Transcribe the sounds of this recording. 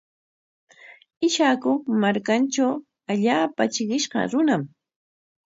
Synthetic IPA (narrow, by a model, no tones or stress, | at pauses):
ɪʃakʊmaɾkant͡ʃaw | aʎaːpat͡ʃɪɢɪʃɢɑ̰ɾʊnam